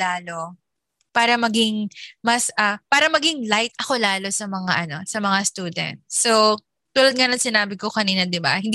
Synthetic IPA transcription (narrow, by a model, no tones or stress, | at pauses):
aːlo̞ | paːɾɐmɐɡɪŋmɐsʔɐpaːɾɐmɐɡɪŋlajt̪̚ʔɐko̞laːlo̞sɐmɐŋaʔɐno̞sɐmɐŋast̪uːd̪ɛ̰nt̪̚sow | t̪uːlɐd̪̚ŋɐnɐŋsɪnaːbɪko̞kɐniːnɐd̪ɪba̰hɪnd̪